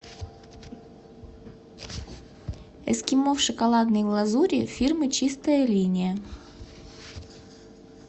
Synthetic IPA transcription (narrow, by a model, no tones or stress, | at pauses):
ɛskʲimofʂɨkɐlˠɑd̪nɨjvlˠɐzuɾʲifʲirmɨt͡ɕist̪ɐjɐlʲinʲɪjə